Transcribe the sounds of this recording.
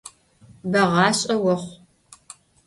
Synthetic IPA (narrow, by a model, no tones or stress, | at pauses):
bɐʁɑːɕʼɐwɐχʷ